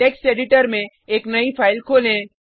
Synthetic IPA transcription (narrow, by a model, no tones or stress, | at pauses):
ʈeːksʈeːɖɪʈəɾmẽ | eːknɐipʰaːɪlkʰoːlẽ